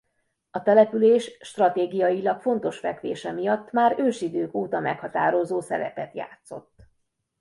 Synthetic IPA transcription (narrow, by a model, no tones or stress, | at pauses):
ɒt̪ɛlɛpyleːʃʃt̪rɒt̪eːɡijɒjilɒkfo̞n̪t̪o̞ʃfɛkʋḛːʃɛmijɒt̪ːmaːɾøːʃid̪øːkoːt̪ɒmɛkhɒt̪aːɾo̞zoːsɛ̰lɛ̰pɛt̪ja̰ːt̪so̞̰t̪ː